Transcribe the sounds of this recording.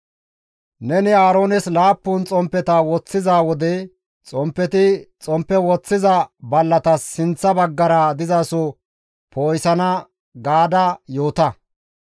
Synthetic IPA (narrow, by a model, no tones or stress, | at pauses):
nɛnɪaːɾo̞ːnɛslaːpːʊnt͡sʼɔmpːɛt̪ɐwɔt͡sːɪzaːwɔd̪ɛ | t͡sʼɔmpːɛt̪ɪt͡sʼɔmpːɛwɔt͡sːɪzɐbɐlːɐt̪ɐsːɪnt͡sːɐbɐɡːɐɾɐd̪ɪzɐsɔ | pʰoːjsɐnɐ | ɡaːd̪ɐjo̞ːt̪ɐ